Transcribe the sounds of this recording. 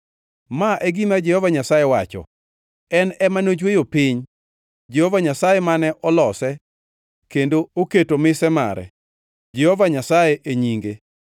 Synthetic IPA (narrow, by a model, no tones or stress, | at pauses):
maʔɛɡimad͡ʒɛhɔvaɲasajewat͡ʃɔ̰ | ɛnɛmanod͡ʒwejopɪɲ | d͡ʒehovaɲasajɛmanɛʔɔlɔsɛ | kendooketomɪsɛma̰ɾɛ̰ | d͡ʒehɔvaɲasajeʔeɲiŋɡe